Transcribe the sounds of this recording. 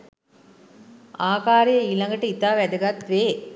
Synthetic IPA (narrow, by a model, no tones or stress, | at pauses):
aːkaːɾijɐilɐŋɡɐʈːəit̪aːʋæd̪əɡat̪ʋeː